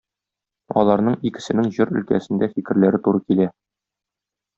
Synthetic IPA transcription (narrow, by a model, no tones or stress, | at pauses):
ɒ̰lˠɑɾnɤɴikɘ̆sɘ̆nɘŋʑɤɾɵ̆lkæ̰sɘ̆nd̪æfikɘ̆ɾlæɾɘt̪uɾɤkilæ